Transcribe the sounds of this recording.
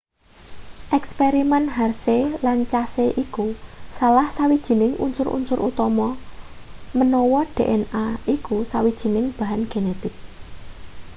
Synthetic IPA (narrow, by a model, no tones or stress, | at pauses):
ʔɛkspeɾimɛnɦarselant͡ʃaseʔikusalahsawid̥ʒ̥i̤nɪŋʔṵnsʊɾṵnsʊɾʔut̪ɔmɔ | mənɔwɔɖ̥e̤ʔɛnaʔikusawid̥ʒ̥i̤nɪŋb̥a̤ɦanɡ̥e̤net̪ɪk̚